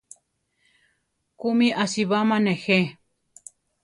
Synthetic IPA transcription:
kumĩʔasiβamãnexe

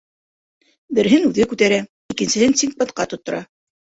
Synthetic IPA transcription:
bɘ̆ɾɦɘnʉðɘkʉt̪æɾæ | ikɘ̆nsɘ̆hɘnsiŋk̚pɤt̪qɑt̪ŏt̪ːŏɾɑ

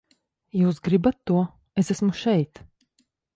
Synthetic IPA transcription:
juːsɡɾibat̪ːuɔ | esæsmuʃɛjt̪

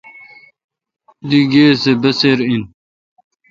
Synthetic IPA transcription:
d̪iɡeːsebɐseɾin

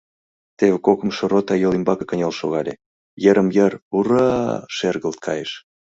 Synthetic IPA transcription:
t̪eβĕkokə̆mʃorot̪ɑjolimbɑkɤ̥kənʲelʃoɣɑlʲe | jəɾə̆mjəruɾɑʃerɣəlt̪̚kʰɑjeʃ

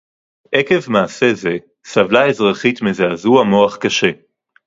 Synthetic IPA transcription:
ʔeke̞vmaːse̞ze | savlae̞zʁaχitmezeazuamo̞aχkaʃe̞

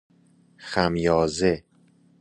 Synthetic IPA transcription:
xæmjɒːze

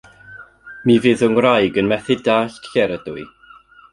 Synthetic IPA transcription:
mivɨðʊŋwrajɡənmɛθɪdaːɬtʰɬɛɾədʊɨ

